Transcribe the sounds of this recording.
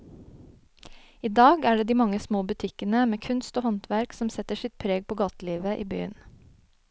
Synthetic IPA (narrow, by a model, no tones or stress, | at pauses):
iːd̪ɑːɡæːɖeːd̪iːmɑŋəsmoːbʉt̪ʰɪkənəmeːkʰʉnst̪oːhɑnt̪ʋæɾksɔmsɛt̪əʃɪt̪̚pʰɾeːɡ̚pʰoːɡɑːt̪liːʋəʔḭːby̰ːə̰n